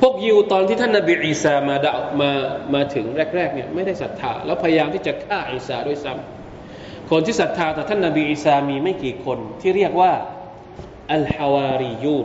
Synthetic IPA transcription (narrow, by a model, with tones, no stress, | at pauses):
pʰu˥˩ək̚ji˧wt̪ɔː˧nt̪ʰiː˥˩a˥˩na˧˩biː˧ʔiː˧saː˧maː˧da˨˩wmaː˧maː˧t̪ʰɯ˩˦ŋɾɛː˥˩k̚ɾɛː˥˩k̚ni˥˩ɐma˥˩jda˥˩jsa˨˦t̪ʰːa̰ː˧lɛː˦˥pʰa˧ja˧jaː˧mt̪ʰiː˥˩t͡ɕa˨˩kʰaː˥˩ʔiː˧˩saː˧˩du˥˩əjsa˦˥m | kʰo˧nt̪ʰiː˥˩sa˨˦t̪ʰːaː˧t̪ɛː˨˩t̪ʰa˥˩nːa˧biː˧ʔiː˧saː˧miː˧ma˥˩jkiː˨˩kʰo˧nt̪ʰiː˥˩ɾi˥˩ək̚waː˥˩ | ʔa˨˩lħa˧waː˧ɾi˧juː˧˩n